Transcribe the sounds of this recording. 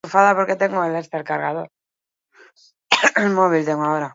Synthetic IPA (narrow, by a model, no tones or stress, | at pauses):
ufaðapo̞ɾket̪e̞ŋɡoelest̪elkaɾɣað̞o̞ɾ | elmoβilt̪e̞ŋɡoaoɾa